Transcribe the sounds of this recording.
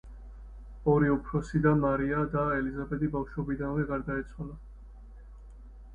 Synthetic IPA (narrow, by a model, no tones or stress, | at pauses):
ɔɾiupʰɾɔsid̪amaɾiad̪aɛlizabɛd̪ibafʃwɔbid̪anvɛɡaɾd̪aɛt̪sʰwala